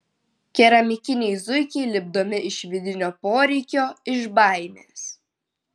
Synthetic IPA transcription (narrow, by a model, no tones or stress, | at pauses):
kʲɛɾɐmʲɪkʲɪnʲɛɪzʊɪkʲɛɪlʲɪb̚d̪oːmʲɪʔɪʃʋʲɪd̪ʲɪnʲoːpoːɾʲɛɪkʲoːɪʒbɑˑɪmʲeːs